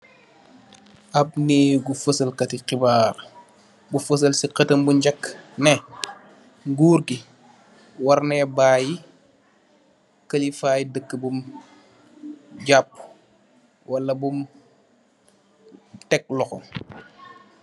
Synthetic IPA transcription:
ʔɐb̚neːɡufəsɐlkɐtiqibaːɾ | bufəs̬ɐlsiqɐtɐmbuɲɟɐkːnɛ | ŋɡuːɾki | wɐɾnɛbaːji | kɐlifaːjidəkːəbum | ɟapː | wʔɐlːɐbum | tɛk̚lɔxɔ

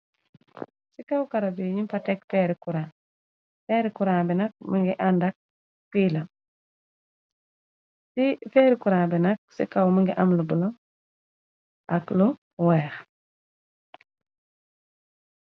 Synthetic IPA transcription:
sikawkaɾabiɲimpatɛkfɛːɾikuɾãː | fɛːɾikuɾaːbɛnak̚miŋɡiʔandak̚ | kiːla | sifɛɾikuɾaːbɛnak̚sḭkawmiŋɡiʔamlubulɔ | ʔaklu | wɛːx

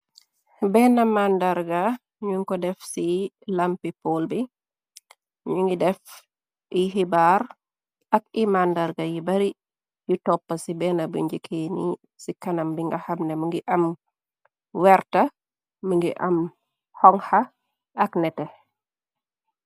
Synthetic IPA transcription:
bɛnɐmandaɾɡɐ | ɲuŋkɔdɛfsi | lampipɔlbi | ɲuŋɡidɛf | iɦibaːɾ | ɐk̚imandaɾɡɐjibɐɾi | jutɔpːɐsibɛnɐbṵɲɟikʰeni | sikɐnɐmbiŋɡɐhɐmnɛməŋɡiʔɐm | wɛrtɐ | məŋɡiʔɐm | hɔŋhɐ | ɐknɛtɛ

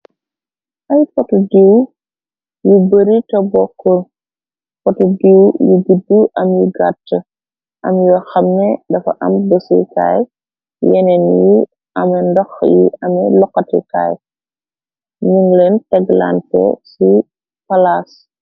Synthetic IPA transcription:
ʔɐjpɔtudiw | jubəɾitɐbɔkːɔl | pɔtudiwjuɡidːuʔɐmjuɡatːə | ʔɐmjuwɐxɐmnɛdɐfɐ̰ʔɐ̰mbəsḭka̰j | jɛnɛnju | ʔɐmɛndɔxjḭɐmɛlɔkːɐtɛ̰ka̰j | ɲuŋɡlɛntɛɡla̰ntɛ̰si | pɐlas

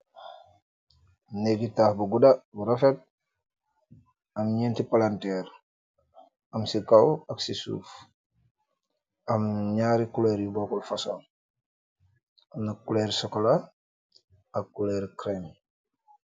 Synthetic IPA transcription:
neɡitaːhbuɡudabuɾafet̚ | ɐmɲeːntipalantɛːɾ | ɐmsikawaksisṵːf | amɲaɾikuleɾjuboːkɔlfasoːŋ | amnakuleːɾsɔkola | akːuleɾkɾem

